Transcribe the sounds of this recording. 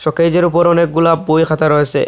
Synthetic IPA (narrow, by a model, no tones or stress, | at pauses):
ʃɔkejd͡ʑeɾupoɾɔnek̚ɡulabojkʰat̪aɾɔet͡ɕʰḛ